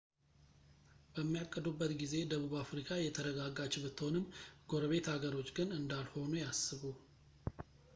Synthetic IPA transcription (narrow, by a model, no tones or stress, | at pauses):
b̥əmːijakʼːəd̪ubːət̪ɡize̞d̪əβuβafɾikʰajɛt̪ʰəɾəɡaɡat͡ʃɪβɨt̪ʰːonɨmɡo̞ɾəβe̞t̪haɡəɾo̞t͡ʃːɡɨnɨnd̪alho̞nujasːɨβu